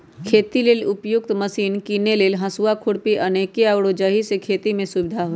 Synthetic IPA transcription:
kʰeːt̪ileːlʊpjʊkt̪mɐsiːnkiːneleːlɦɐ̃suwakʰʊɽpiʔɐneːkeawɽoːd͡ʒəɦisekʰeːt̪imẽsʊbɪd̪ʱaɦoː

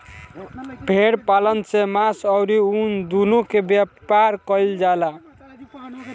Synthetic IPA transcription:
bʱeɽpalənsemasəwɾiund̪unukebjapaɾkəɪld͡ʒala

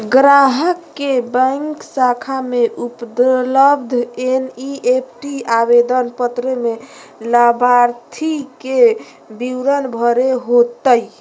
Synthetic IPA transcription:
ɡɾaɦəkːebə̃ŋksakʰameʔupd̪ləbd̪ʱeniepʰʈiabed̪ənpət̪ɾəmelabʱaɾt̪ʰike | biwɾənbʱəɾeɦot̪əj

